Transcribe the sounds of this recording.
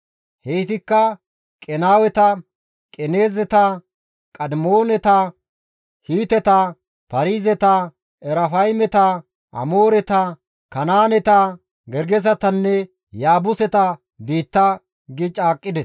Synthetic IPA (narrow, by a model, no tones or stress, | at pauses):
heːt̪ɪkːɐ | kʼɛnaːwɛt̪ɐ | kʼɛne̞ːzɛt̪ɐ | kʼɐd̪moːnɛt̪ɐ | hiːt̪ɛt̪ɐ | pɐɾiːzɛt̪ɐ | ɛɾɐfɐjmɛt̪ɐ | ʔɐ̰moːɾɛt̪ɐ | kɐnaːnɛt̪ɐ | ɡɛɾɡɛsɐt̪ɐnːɛ | jaːbʊsɛt̪ɐ | biːt̪ːɐ | ɡɪt͡ʃʼaːkʼːɪd̪ɛs